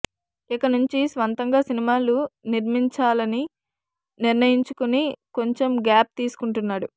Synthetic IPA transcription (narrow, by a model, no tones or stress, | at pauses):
ikɐnuɲt͡ʃisʋɐnt̪ɐŋɡaːsinimaːluniɾmiɲt͡ʃaːlɐni | niɾnɐjiɲt͡ʃukuniko̞ɲt͡ʃe̞mɡaːp̚t̪iːsu̥kuɳʈunːaːɽu